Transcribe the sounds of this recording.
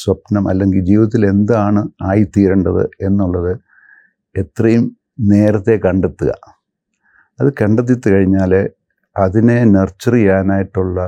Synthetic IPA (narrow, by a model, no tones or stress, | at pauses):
swɐpnɐmʔɐ̰lːe̞ŋɡild͡ʑiːʋɐt̪ːile̞nd̪ɨaːɳɨaːjit̪iːɾɐɳɖɐðɨ̰e̞nːuɭːɐðɨ | e̞t̪rɐjum | ne̞ːɾɐt̪ːe̞kɐɳɖet̪ːuɣɐ̰ | ɐðɨkɐɳɖet̪̬ːit̪ːɨkɐɻiɲːaːl | ɐðine̞nert͡ɕːɐrijaːnaːjiʈːuɭːɐ